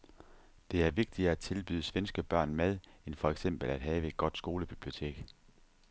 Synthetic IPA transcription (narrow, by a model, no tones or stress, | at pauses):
d̥e̝æɐʋe̝ɡ̥̚d̥iɐæt͡sʰe̝lb̥y̰ːð̰ˠsʋensɡ̥əb̥ɶɐ̰nmeð̞ˠenfɒ̽eɡ̥sem̰b̥l̩æd̥ɦɛːəe̝d̥̚ɡ̥ɒ̽d̥sɡ̥o̝ːləb̥ib̥lio̝t͡sʰe̝̰ːɡ̥